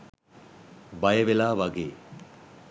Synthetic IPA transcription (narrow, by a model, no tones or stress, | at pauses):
bajəʋelaːʋaɡeː